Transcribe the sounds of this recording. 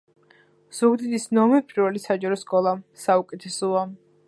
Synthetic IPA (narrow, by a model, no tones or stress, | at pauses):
z̥uɡd̪id̪isnɔmɛpʼiɾvɛlisad͡ʒaɾɔskʼɔlˠasaukʼɛt̪ʰɛsɔa